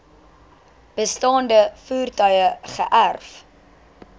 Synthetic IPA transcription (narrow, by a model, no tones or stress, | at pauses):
b̥əstɑːndəfuːrtœɥəχəʔærf